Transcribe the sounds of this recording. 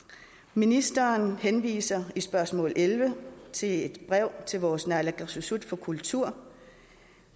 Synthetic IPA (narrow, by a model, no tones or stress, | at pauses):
minisd̥ɐnhenʋḭːsɐisb̥ɶɐsmɔ̰̽ːlʔelʋət͡sʰe̝le̝d̥b̥ʁɛʊ̰t͡sʰe̝lʋɒːsnælæɡ̥ɑsusud̥fɒ̽kʰult͡sʰuɐ̰